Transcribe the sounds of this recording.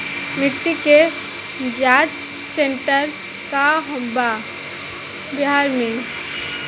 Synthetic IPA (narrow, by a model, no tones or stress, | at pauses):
mɪʈːike | d͡ʒaːt͡ʃ | seɳʈəɾ | kaɦɔ̃mba | bɪɦaːɾmẽ